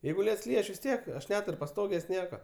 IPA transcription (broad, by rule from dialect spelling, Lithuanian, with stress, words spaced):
ˈjɛɪɡʊ ˈlʲiɛts ˈlʲiːj ˈɐʃ ʋʲɪs ˈtʲiɛk ɐʃ ˈnʲæːtʊrʲ pɐˈstoːɡʲeːsʲ ˈnʲiɛkɐ